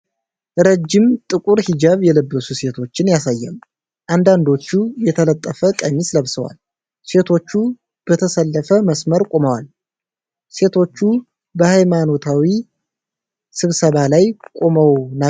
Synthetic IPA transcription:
ɾəd͡ʒːɪmt̪ʼɨkʼuɾhid͡ʒəβjɛləbːəsuse̞t̪ʰo̞t͡ʃːɪnjasajːɛ̰m | ʔand̪and̪o̞t͡ʃːujɛt̪ʰələt̪ʼːəfəkʼəɲːisləβsəwa̰l | se̞t̪ʰo̞t͡ʃːu | b̥ət̪ʰəsəlːəfəməsməɾkʼo̞məwal | se̞t̪ʰo̞t͡ʃːu | bəhajmano̞t̪ʰawi | sɨβsəβalajkʼo̞məwna

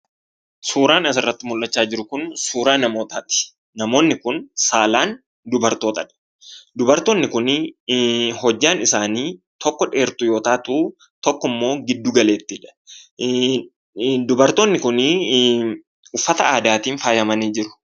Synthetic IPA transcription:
suːɾaːnɐsɪrːɐt̪ːɪmʊlːɐt͡ʃːaːd͡ʒɪɾʊkʊnsuːɾaːnɐmoːt̪at̪ɪ̥ | nɐmo̞ːnːɪkʊnsaːlaːn | d̪ʊbɐɾt̪o̞ːt̪ɐᶑɐ̥ | d̪ʊbɐɾt̪oːnːɪkʊn | ɦɔd͡ʒːaːnɪsaːniː | t̪ɔkːɔᶑe̞ːɾt̪ʊjo̞ːt̪aːt̪uː | t̪ɔkːɔmːo̞ːɡɪd̪ːuːɡɐle̞ːt̪ːɪᶑɐ̥ | d̪ʊbɐɾt̪o̞ːnːɪkʊnː | ʊfːɐt̪ɐaːd̪aːt̪iːnfaːjɐmɐniːd͡ʒɪɾʊ̥

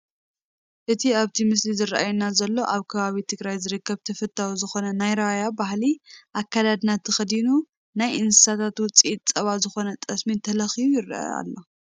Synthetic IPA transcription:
ʔɨt̪ʰiaβt̪ʰimɨslizɨrʔajunazɐlːo̞ʔaβkʰɐβaβit̪ʰɨɡɾajzɨɾɨkːɐβt̪ʰɐfɐt̪ʰːawuzɨxo̞nɐnajɾajabahliʔakːalad̪nat̪ʰːɨxɐd̪inu | najʔɨnsɨ̥sat̪ʰat̪wʊt͡sʼiit̪̚t͡sʼɐβazɨxo̞nɐt̪ʼɐsmint̪ʰɐlɐxijujɪrʔɐ̰a̰lːo̞

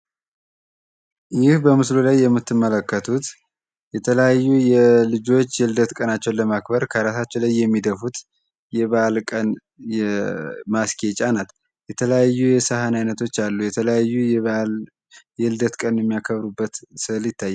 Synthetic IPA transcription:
jɪhbəmɨslolajːɛmːɨt̪ʰːɨmːələkːət̪ʰut̪ | jɛt̪ʰələjajːujɛlɨd͡ʒo̞t͡ʃːjɛld̪ət̪kʼənat͡ʃːɛwnləmakbəɾkʰəɾasat͡ʃːɛlajːɛmːid̪əfut̪ | jɛβəʔalkʼən | jɛmaskʰʼet͡ʃʼanat̪ | jɛt̪ʰələjajːujɛsahanajnət̪ʰo̞t͡ʃːalːujɛt̪ʰələjajːul | jɛɨld̪ət̪kʼənjɛmːijakʰəβɾubːət̪sɨljɪt̪ʰːajːɛ

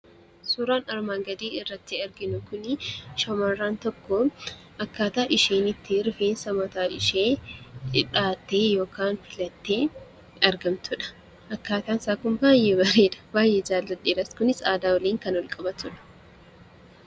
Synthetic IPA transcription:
suːɾaːnɐɾmaːŋɡɐd̪iːɪrːɐt̪ːɪɐɾɡɪnʊkʊnɪʃɐmɐrːaːnt̪ɔkːɔ | ʔɐkːaːt̪aːʔɪʃeːnɪt̪ːɪɾɪfeːnsɐmɔt̪aːʔɪ̰ʃeːt͡ʃʼɪᶑaːt̪ːeːjo̞ːkʰaːnfɪlɐt̪ːe̞ː | ɐɾɡɐmt̪ʰʊᶑɐ̥ | ʔɐkːaːt̪aːnsaːkʊmbaːjːeːbɐɾeːᶑɐ̥baːjːeːd͡ʒaːlːɐᶑeːɾɐskʊnɪsaːd̪aːwɐliːŋkɐnwɔlkʼɐbɐt̪ʊᶑɐ̥

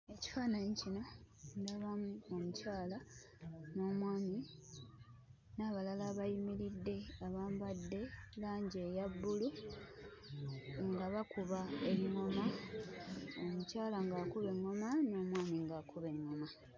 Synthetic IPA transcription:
e̞ci̥faːnaɲicino | ndaβamuomucaːla | no̞ːmwaːmi | naːβalalaːβajimiɾidːe̞aβaːmbadːe̞laːɲɟejabːulu | ŋɡaβakuβae̞ŋːo̞ma | omucaːlaŋɡaːkuβe̞ŋːo̞mano̞ːmwaːmiŋɡaːkʰuβe̞ŋːo̞ma

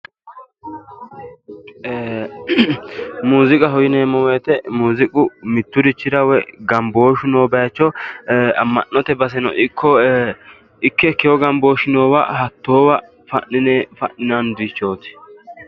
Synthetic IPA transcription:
muːzɪkʼɐɦɔjɪneːmɔweːt̪ɛmuːzɪkʼʊmɪt̪ːʊɾɪt͡ʃːɪd̪ɐwɛɡɐmbo̞ːʃɪnoːbɛjɐt͡ʃːɔ | ɐmːɐnːɔt̪ɛbɐs̬ɛnɔ̰ɪkʰːɔ | ɪkːɛkɛjɔɡɐmbo̞ːʃɪnoːwɐ̰hɐt̪ːoːwɐ | fɐ̰ʔɪnefɐʔɪnɐnd̪it͡ʃːo̞ːt̪ɪ̥

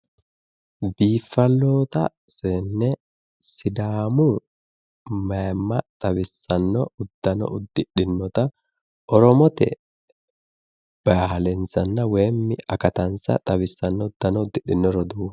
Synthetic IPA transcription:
biːfːɐlːoːt̪ɐ̰ | sɛnːɛ | sɪd̪aːmʊ | mɐmːɐt̪ʼɐwɪsːɐnːɔʊd̪̥ːɐnɔ̰ʔʊd̪ːɪɗːɪnːɔt̪ɐ | ʔɔɾɔmɔt̪ɛ̰ | b̥aːhlɛnsɐnːɐwɛːmːɪɐkɐt̪ɐnsɐ̰t̪ʼɐwɪsːɐnːɔʊd̪̥ːɐnɔʊd̪ːɪɗːɪnːɔɾɔd̪u

